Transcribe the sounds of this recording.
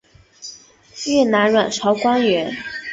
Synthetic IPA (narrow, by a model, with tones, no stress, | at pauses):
ɛ˥˩na˧˥nɻwa˨˩nʈ͡ʂʰɑ˧˥ʊkwa˥nɥɛ˧˥n